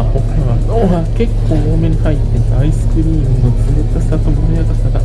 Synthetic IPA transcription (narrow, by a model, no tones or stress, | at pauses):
bokɯa | oake̞kʰːo̞ːoːmeɲ̟ihait̪ːet̪aaisɨ̥kɯ̟ɾʲiːmɯ̟no̞t͡sɨɾet̪ːast̪at̪omonojaɡasaɡ̪a